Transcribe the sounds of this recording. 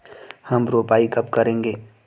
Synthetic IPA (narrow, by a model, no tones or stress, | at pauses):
hɐmɾoːpaːikɐb̚kɐɾẽːŋɡeː